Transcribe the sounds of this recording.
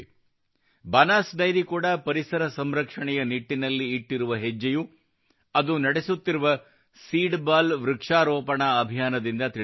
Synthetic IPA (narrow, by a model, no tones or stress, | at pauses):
baːnaːsɖɐjɾikuːɽɐpɐɾisɐɾɐsɐmɾɐkʂɐɳɛjɐniʈːinɐlːiːʈːiɾuʋɐɦed͡ʒːɐju | ɐd̪unɐɽesut̪ːiɾuʋɐ | siːɖbaːlʋɾukʂaːɾoːpɐɳɐːbʱijaːnɐd̪ind̪ɐt̪i